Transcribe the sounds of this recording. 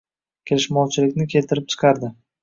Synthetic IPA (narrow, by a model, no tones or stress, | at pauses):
kʲʰe̞lɪʃmɒwt͡ʃʰɪlɪkʲnɪkʲʰe̞lt̪ʰɪɾɪp̚t͡ʃʰɨ̥qʰɑɾd̪ɪ